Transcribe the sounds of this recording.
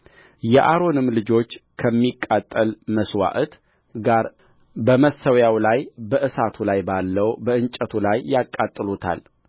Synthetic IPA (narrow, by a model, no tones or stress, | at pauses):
jɛʔaɾo̞nɨmlɨd͡ʒo̞t͡ʃːkʰəmːikʼːat̪ʼːəlməswa̰ʔt̪ | ɡaɾ | bəməsəwjawlajbəʔɨsat̪ʰulajbalːəwbəʔɨnt͡ʃʼət̪ʰulajːakʼːat̪ʼːɨlut̪ʰa̰l